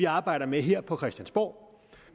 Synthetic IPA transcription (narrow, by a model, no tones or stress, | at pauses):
iɑ̈ːb̥ɑ̈ɪ̰ɾ̥ɐmeɦeɐ̰pʰɒ̽kʰʁɛsd̥ænsb̥ɒ̰ː